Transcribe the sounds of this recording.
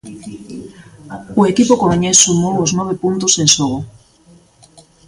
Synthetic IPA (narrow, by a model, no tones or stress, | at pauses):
ʊekipokomeɲesumowoznɔβ̞epunt̪osenʃoɣo